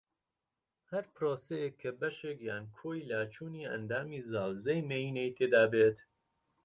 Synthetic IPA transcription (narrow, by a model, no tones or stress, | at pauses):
hɐɾpɾoːsejekʰːɐbɐʃeːkjaːnkʰoːjlaːt͡ʃʰuːniːɐ̰nd̪aːmiːzaːwzejmeiːnejt̪ʰeːd̪aːbeːt̪